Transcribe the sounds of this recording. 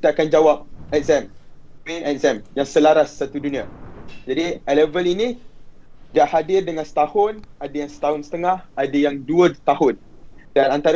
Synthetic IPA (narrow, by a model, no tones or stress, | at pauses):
t̪aakand͡ʒawap̚ɛk̚zɛm | menɛk̚zɛmjaŋsəlaɾasːat̪udunĩad͡ʒadiɛləvəlinĩ | daʔhadɪrdəŋansə̥t̪ahʊnadajaŋsə̥t̪aɦʊnsə̥t̪əŋãhadajaŋduət̪ahʊndanant̪aɾ